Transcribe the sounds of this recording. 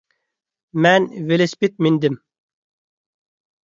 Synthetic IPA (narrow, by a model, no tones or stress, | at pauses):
mænvelespit̪̚mind̪ɪm